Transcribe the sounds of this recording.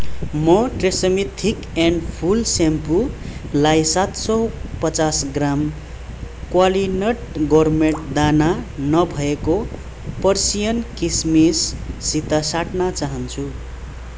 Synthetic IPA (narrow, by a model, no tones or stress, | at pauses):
mʌʈresʌmit̪ʰːik | eɳɖpʰulsempu | lajsat̪sʌpʌt͡sasɡram | kwalinʌʈɡʌrmeɳʈd̪ananʌbʱʌeko | pʌrsijʌnkismisːit̪asaʈnat͡saɦʌnt͡sʰu